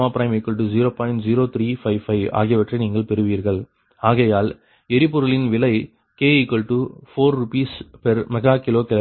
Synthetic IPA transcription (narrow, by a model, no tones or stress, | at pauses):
aːpɪɾɐɪmɛkːɔɭʈ̬ɯd͡ʒiɾoːpɐɪnd͡ʒiɾoːt̪ʰɾiːfɐɪʋfɐɪʋa̰ːɣɪjɐʋɐʈrɐɪniːŋɡɐɭpɛɾɯʋiːɾɣɐɭ | aːɣɐjaːl | ɛɾɪpːʊɾɯlɪnʋɪlɐɪ | keːɪkːɔɭʈɯfoːɾːʊpiːspɛɾmɐɣaːkɪloːkɪlɐ